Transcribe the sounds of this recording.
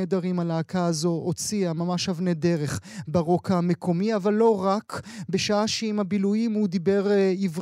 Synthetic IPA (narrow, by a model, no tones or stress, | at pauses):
ed̪aʁimalaːkaːzo̞ʔot͡siamamaʃhavned̪e̞ʁe̞χbaʁo̞kamekʰo̞miavalːo̞ʁakbe̞ʃaaʃeimabilujimhud̪ibe̞ʁiv